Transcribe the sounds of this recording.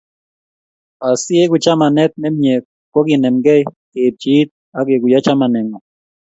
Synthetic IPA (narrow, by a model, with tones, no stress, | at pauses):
a˨sɪ˦e˦ɡʊ˨t͡ʃa˦ma˨nɛ˦t̪̚nɛ˦mjɛ˨ | kɔ˦ɡɪ˨nɛ˨mɡɛ˦ | e˨p̚t͡ʃi˨˦t̪̚ | a˦ɡe˨ɡʊ˨ja˦t͡ʃa˦ma˨nɛ˨ŋɔ˨